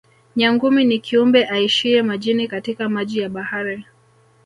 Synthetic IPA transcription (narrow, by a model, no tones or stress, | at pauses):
ɲaŋɡuminikʰiumbɛʔaiʃiɛmaʄinikatikamaʄijaɓahaɾi